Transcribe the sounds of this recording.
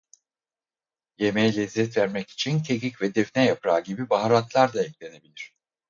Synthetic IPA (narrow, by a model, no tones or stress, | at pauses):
je̞me̞jɛlʲɛzːɛt̪væɾmɛci̥t͡ʃʰint̪ʰecʲicvɛd̪ɛfnɛjapɾaːɟibibaɦaɾat̪lˠaɾd̪aɛcʲlʲe̞ne̞bilʲiɾ̝̥